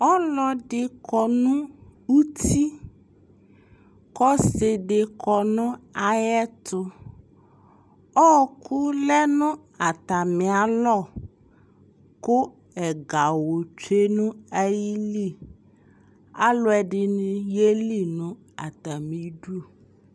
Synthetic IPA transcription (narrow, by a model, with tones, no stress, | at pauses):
ɔ˦lɔ˨dɪ˨kʰɔ˨nʊ̃˦u˦ti˦ | kɔ˦se˨dɪ˨kʰɔ˨nʊ̃˦a˨jɛ˦tʰʊ˦ | ɔ˦˨kʰʊ˦lɛ˦nʊ̃˦ | a˨t̪a˨mɪ̃˨a˨lɔ˦˨ | kʊ˦ | ɛ˨ɡa˨wo˨t͡ʃe˦nʊ̃˦a˦ji˦li˦˨ | a˦lʊ˦ɛ˨ɖɪ˨nʊ̃˦je˦li˦nʊ̃˦ | a̰˨t̪a˨mĩ˨˦ɖu˦˨